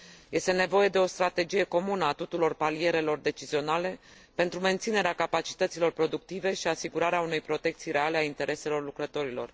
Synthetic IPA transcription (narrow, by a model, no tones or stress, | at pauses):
je̞st̪e̞ne̞vo̞je̞d̪e̞o̞st̪ɾat̪e̞d͡ʒije̞ko̞munəat̪ut̪uɾo̞rpalije̞ɾe̞lo̞rd̪e̞t͡ʃizio̞nale̞ | pe̞nt̪ɾume̞nt̪sine̞ɾeakapat͡ʃi̥t̪ət̪silo̞rpɾo̞d̪uk̚t̪ive̞ʃiasiɡuɾaɾeaune̞jpɾo̞t̪e̞k̚t̪sijɾe̞ale̞aint̪e̞ɾʔe̞se̞lo̞rlukɾət̪o̞ɾilo̞̰r